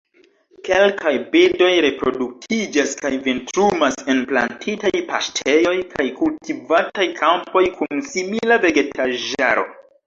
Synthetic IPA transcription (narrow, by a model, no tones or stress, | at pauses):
kelkʰajbedo̞jɾe̞pɾo̞duk̚tʰid͡ʒaskajventɾumase̞npla̰ntʰitajpastʰe̞jo̞jkʰajkultivatajkʰampo̞jkunsimilave̞ɡe̞tʰaʒa̰ɾo̞̰